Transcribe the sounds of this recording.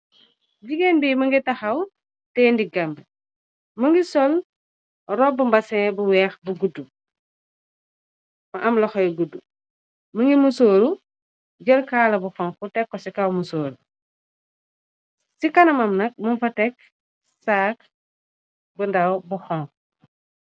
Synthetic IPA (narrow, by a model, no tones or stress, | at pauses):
ɟiɡɛnbimɐŋɡitɐxɐw | tɛːndiɡɐmb | mɐŋɡisɔl | rɔbumbɐsɛ̃ːbuwɛːxbuɡudːu | mɐʔɐmlɐxɔjɡudːu | mɐŋɡimusoːɾu | ɟɐlkaːlɐbuxɔŋkutɛkːɔsikɐwmusoːɾu | sikɐnɐmɐmnɐk̚mɐnfɐtɛk̚ | saːk̚ | bundɐwbuxɔŋk